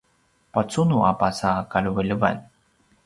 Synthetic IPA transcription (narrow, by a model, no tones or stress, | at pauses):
pat͡sunuʔapasakaɭuvəɭəva̰n